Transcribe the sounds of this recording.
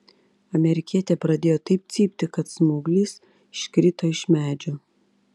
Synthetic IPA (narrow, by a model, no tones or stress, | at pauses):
ɐmʲɛɾʲɪkʲiɛt̪ʲɛːpɾɐd̪ʲeːjoːt̪ɐɪp̚t̪sʲiːpʲt̪ʲɪkɐt̪smuːɡlʲiːs | ɪʃʲkɾʲɪt̪oːɪʃmʲæːd͡ʒʲoː